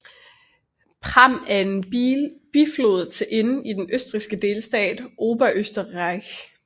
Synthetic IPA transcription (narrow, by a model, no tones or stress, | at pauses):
pʰʁɑm̰æɐe̝nb̥iflo̝ːð̩ˠt͡sʰe̝ʔe̝n̩id̥enʔøsd̥ʁisɡ̥əd̥e̝ːlsd̥ɛ̰ːd̥ʔo̝ːb̥æʔøsd̥əʁɑɪç